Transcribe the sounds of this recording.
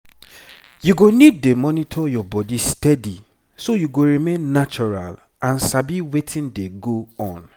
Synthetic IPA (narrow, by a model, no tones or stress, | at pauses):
juɡonid̚ːemɔnitʰɔjɔbɔdistɛdi | sojuɡoɹimẽnːat͡ʃɔɹa̰l | ãnsabiwetʰĩndeɡoɔ̃n